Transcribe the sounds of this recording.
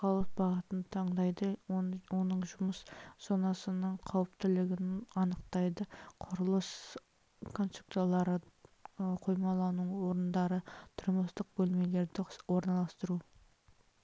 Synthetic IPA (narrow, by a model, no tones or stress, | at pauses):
χɑlˠəsbɑʁət̪ənd̪ət̪ʰɑɴd̪ɑjd̪əwo̞nəɴʒʊməsz̥onɑsənəɴqʰɑwəpt̪ɪlɪɡʲɪnɑnəqt̪ɑjd̪əqʰʊɾəlˠəs | kʰo̞nst̪ɾuk̚t̪alˠɑɾə | qʰo̞jmɑlˠɑnuwo̞ɾənd̪ɑɾət̪ʰʊɾməst̪əq̚bɵlme̞le̞ɾd̪ɪwo̞ɾnɑlˠɑst̪əɾu